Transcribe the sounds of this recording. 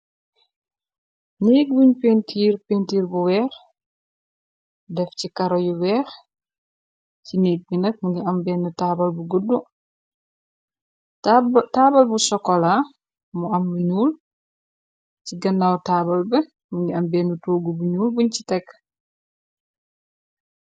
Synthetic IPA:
niːk̚buɲpentʰiːɾpeːntiːɾbuwɛːx | dɛfcikɐɾɔjuwɛːx | ciniːk̚binɐk̚muŋɡiɐmbɛːnːutabɐlbuɡudːu | taːbɐlbusɔkːɔla | muɐmbuɲuːl | ciɡɐnːawtaːbɐlbɛ | muŋɡiɐmbɛːnutoːɡubuɲuːlbuɲci̥tɛk

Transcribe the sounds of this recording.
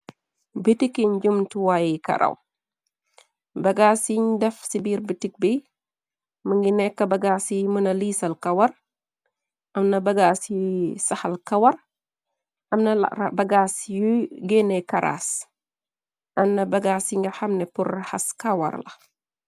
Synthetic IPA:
bitikiɲɟumtuwajikɐ̰ɾʔɐ̰w | bɐɡaːsiɲdɛfsibiːɾbətik̚bi | məŋɡinɛkːɐbɐɡaːsimənɐliːsɐlkɐwɐr | ʔɐmnɐbɐɡaːsisɐhɐlkɐwɐr | ʔɐmnɐbɐɡasjuɡɛnɛkɐɾa̰ːs | ʔɐmnɐbɐɡaːsiŋɡɐxɐmnɛpurhɐ̰skɐwɐ̰rlɐ̰

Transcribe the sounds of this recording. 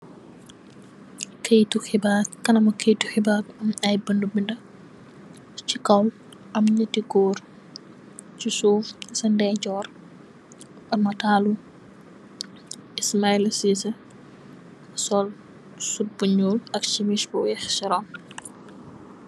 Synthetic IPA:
kʰejtuxibakɐnɐmɐkejtuxibabɐmɐjbəndubindɐ | t͡ʃikɐw | ʔɐmɲɐtiɡoːɾ | t͡ʃisuːfsɐndɛɟɔːɾ | ʔɐmɐtaːlu | ismailɐsisɐ | sɔl | sut̚buɲuːlɐkt͡ʃimiʃbɔjɛxsiɾɔːn

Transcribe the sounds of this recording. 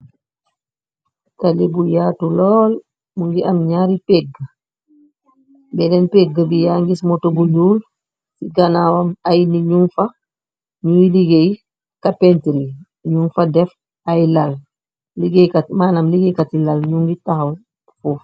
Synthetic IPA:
talibujaːtulɔːl | muŋɡiʔamɲaːɾipɛɡə | bɛdɛnpɛɡəbijaːŋɡismɔtobuɲuːl | siɡanawamajniɲunfa | ɲujiliɡej | kapɛntiɾi | ɲunfadɛf | ajlal | liɡejkamaːnamliɡejkatilalɲuŋɡitaxal | fuf

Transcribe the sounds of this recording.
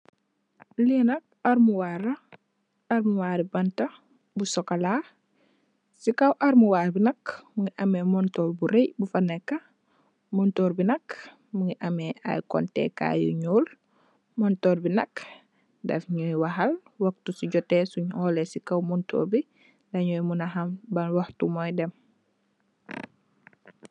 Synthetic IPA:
linɐk̚aɾmuwaɾɐ | aɾmuwaːɾibɐntɐ | busɔkala | sikawʔaɾmuwaːɾbinɐkmuŋiʔɐmɛmɔntɔːɾbuɾejbufɐnekːɐ | mɔntɔːɾbinɐk | muŋiʔameʔa̰jkɔ̰ntɛ̰ka̰jṵɲuːl | mɔntoːɾbinɐk | da̰fɲujwaɦalwɐk̚tusuɟɔtesuɲhɔːlesikawmuntʰo̰ːɾbi | dɐɲujmunaɦɐmbɐnwohtumɔjdɛm

